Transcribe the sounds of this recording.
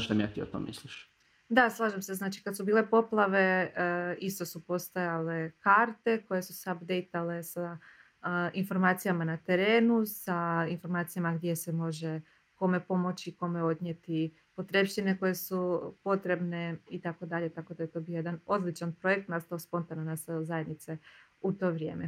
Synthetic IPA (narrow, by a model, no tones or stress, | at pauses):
d̪amijaːt̪io̰t̪o̰mḭsliʃ | d̪aslˠaːʒamse̞znaːt͡ʃi̥kad̪subiːle̞po̞plˠaʋe̞ | ist̪o̞supo̞st̪ajale̞kaɾt̪e̞ko̞je̞susabd̪e̞jt̪ale̞sa | info̞ɾmaːt̪sijamanat̪e̞ɾe̞ːnusainfo̞ɾmaːt̪sijamaɡd̪je̞semo̞ʒe | ko̞me̞po̞mo̞t͡ʃiːko̞me̞o̞d̪nɲje̞t̪i | po̞t̪ɾepʃt̪ine̞ko̞je̞supo̞t̪ɾe̞bne̞it̪ako̞d̪aʎe̞t̪ako̞d̪ajet̪o̞bijojed̪ano̞d̪lit͡ʃanpɾo̞je̞k̚t̪nast̪aospo̞nt̪ananːaseozaje̞d̪nit̪se̞ | ut̪o̞ːʋɾʲjḛːme